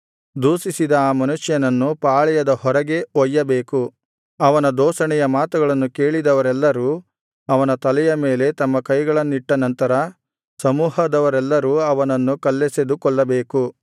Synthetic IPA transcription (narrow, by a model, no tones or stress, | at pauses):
d̪uːsisid̪ɐːmɐnuʂjɐnɐnːupaːɭɛjɐd̪ɐhɔɾɐɡe̞ɔjːɐbeːku | ɐʋɐnɐd̪ɔːʃɐɳɛjɐmaːt̪uɡɐɭɐnːuke̞ːɭid̪ɐʋɐɾɛlːɐɾuː | ɐʋɐnɐt̪ɐlɛjɐme̞ːle̞t̪ɐmːɐkɐjɡɐɭɐnːuiʈːɐnɐnt̪ɐɾɐ | sɐmuːɦɐd̪ɐʋɐɾɛlːɐɾuːɐʋɐnɐnːukɐlːese̞d̪ukɔɭːɐbe̞ːku